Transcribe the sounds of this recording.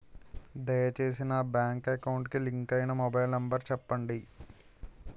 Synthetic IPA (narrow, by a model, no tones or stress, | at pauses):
d̪ɐjɐt͡ʃe̞ːs̬inɐːbjaːŋkɐkɐwɳʈkiliŋkɐjinɐmobɐjlnɐmbɐɾt͡ɕɛpːɐɳɖi